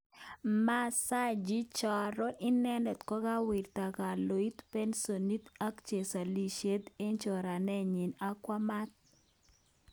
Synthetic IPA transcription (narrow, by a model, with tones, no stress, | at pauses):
ma˦sa˦d͡ʒi˦t͡ʃɔ˨ɾɔ˦ʔi˦nɛ˦nɛ˨t̪kɔ˦ɡa˦wi˨rt̪a˨ka˨lo˨i˦t̪pe˦nso˨ni˦t̪a˦kt͡ʃe˨sa˨li˨ʃe˦t̪e˦ɲt͡ʃɔ˨ɾa˨nɛ˦ɲɪ˨na˦kwa˦ma˦t̪̚